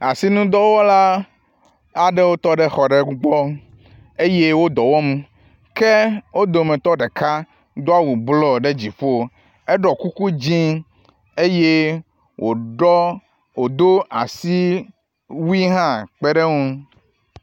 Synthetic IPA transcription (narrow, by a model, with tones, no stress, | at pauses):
a˨si˦nũ˦d̪ɔ˦wɔ˦la˦ | a˨ɖɛ˦wo˦t̪ɔ˦ɖe˦xɔ˨ɖe˨u˦ɡ͡bɔ˦ | e˦je˦wo˦d̪ɔ˨wɔ˦m˦ | ke˦wo˦d̪o˨mɛ̃˨t̪ɔ˦ɖe˨ka˦ | d̪o˦a˦wu˨blɔ˦ɖe˦d͡ʑi˨ɸo˦ | e˦ɖɔ˨ku˦ku˦d͡ʑĩ˦ | e˦je˦ | wʔo˨ɖɔ˦ | wo˨d̪o˦a˨si˦ | wu˦i˦ɦã˦k͡pɛ˦ɖe˦ŋũ˦